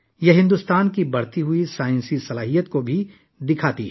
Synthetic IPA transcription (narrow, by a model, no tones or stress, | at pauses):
jɐɦɪ̃nd̪uːst̪aːnkibɐɽt̪iɦʊisaːjɪ̃nsisɐlaːɦijət̪kobʱi | d̪ɪkʰaːt̪iɦɛ